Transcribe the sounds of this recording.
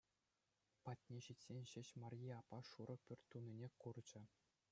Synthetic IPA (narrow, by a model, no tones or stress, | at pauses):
pɑtʲnʲeɕitʲsʲenʲɕɘ̆ɕmɑrʲjiɑpːɑʂuɾʔɤ̆pʲørʲt̪ʲːunʲinʲekurd͡ʑɘ̆